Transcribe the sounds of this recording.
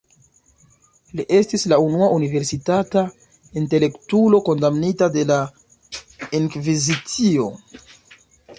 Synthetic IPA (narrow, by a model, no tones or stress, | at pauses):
liʔe̞stislaunuaʔunive̞ɾsitata | inte̞le̞ktulo̞ko̞ndamnitade̞la | iŋkvizit͡sio̞